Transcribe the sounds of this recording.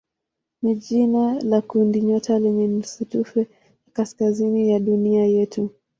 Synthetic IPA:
niʄinalakundiɲɔtʰalɛɲɛm̩sutufɛ | jakaskazinijaɗuniajɛtu

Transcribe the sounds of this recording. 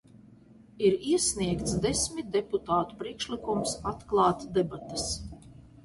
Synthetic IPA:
iɾiɛsʲniɛkt̪sd̪esʲmʲit̪̚d̪eput̪aːt̪u̥pɾiɛkʃlikumsat̪klˠɑːt̪d̪ebat̪as

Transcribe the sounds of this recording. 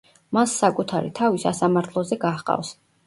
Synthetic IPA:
masːakʼut̪ʰaɾḭt̪ʰavisasamaɾt̪ʰlˠɔzɛɡaχqʼa̰fs

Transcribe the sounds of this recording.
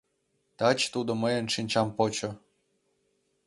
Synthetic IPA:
t̪ɑt͡ɕt̪ud̪ŏməjə̆nʃinʲt͡ɕɑmpot͡ɕŏ

